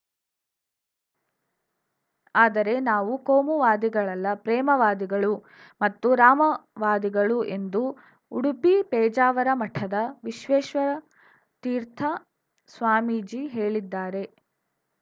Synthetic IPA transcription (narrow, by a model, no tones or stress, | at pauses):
aːd̪ɐɾe̞naːʋukoːmuʋaːd̪iɡɐɭɐlːɐpɾɛːmɐʋaːd̪iɡɐɭu | mɐt̪ːuɾaːmɐʋaːd̪iɡɐɭuʔe̞nd̪u | uɽupipɛːd͡ʒaːʋɐɾɐmɐʈʰɐd̪ɐʋiʃʋɛːʃʋɐɾɐ | t̪iːɾt̪ʰɐ | sʋaːmiːd͡ʒiːɦe̞ːɭid̪ːaːɾe̞